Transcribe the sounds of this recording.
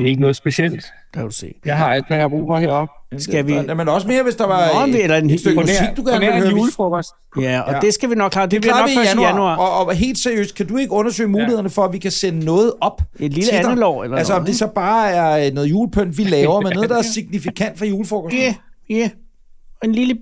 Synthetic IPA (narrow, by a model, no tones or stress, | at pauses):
e̝ɡ̥ənɔ̽ːð̩ˠsb̥eɕel̰d̥ | d̥d̥usḛːjɑ̈ɪɦɑ̈æl̰d̥meŋɑ̈b̥ṵːfmɑ̈ɪheɐ̰ɒ̽b̥̚sɡæʋiæmenɒ̽səme̝ːɐʋe̝sd̥ɑ̈ʋɑ̈elɐesd̥øɡ̥usiɡ̥̚d̥uɡ̥æɐɐnʋelhøːɐlfɔɡɔsd | ɒd̥esɡ̥æʋinɔɡ̥kʰlɑ̈ːdeɑ̈ːiɑnuɑ̰ɒɦe̝̰ːld̥seɐjø̰ːsd̥̚kʰæd̥ue̝ɡ̥əɔ̽nɐsø̰ːɪmuːlihe̝ðˠɐnəfɒ̽æʋikʰæsenənɔ̽ːð̞̩ˠɒ̽b̥edliləæ̥nlɒ̰ːelɐælsəɒ̽md̥e̝sɒ̽b̥ɑ̈ːæɐnɔ̽ːð̩ˠjṵːlpʰøn̰d̥ʋilɛːʊːʊɐmenɔ̽ððˠd̥ɑ̈æɐsiɡ̥̚nifikʰæn̰d̥fɒjuːləfɒːɡ̥ɒæ | enlilə